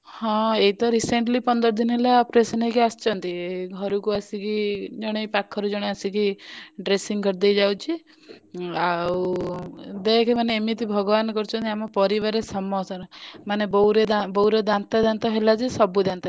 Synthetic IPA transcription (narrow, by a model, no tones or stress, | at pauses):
hɔ̃eit̪ɔɾiseɳʈlipɔnd̪ɔɾd̪ʱinɔɦelapɾesɔnejkiast͡ʃʰɔnt̪iɡʱɔɾukuasikid͡ʒɔɽ̃epakʰːɔɾud͡ʒɔɽ̃easikiɖɾesiŋkɔɾd̪ejd͡ʒawt͡ʃʰi | aw | d̪ekʰemaneːmit̪ibʱɔɡɔbanɔkɔɾut͡ʃʰɔnt̪iamɔpɔɾiβaɾesɔmɔsɔɾɔmanebɔwɾed̪abɔwɾed̪ant̪ad̪ant̪ɔɦelad͡ʒesɔbud̪ant̪a